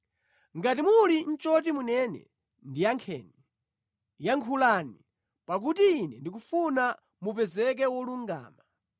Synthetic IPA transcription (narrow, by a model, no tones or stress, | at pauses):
ŋɡatimulin̩t͡ʃɔt̬imunɛnɛ̰ | ndijaŋkʰɛ̰ːni | jaŋkʰulani | pak̬utiːnɛndik̬ufuna | mup̬ɛzɛk̬ɛwɔluŋɡa̰ːma